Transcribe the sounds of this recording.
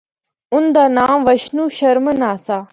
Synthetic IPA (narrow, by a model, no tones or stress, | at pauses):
ʊnd̪aːnaːmʋəʃnuːʃɐɾmənaːsaː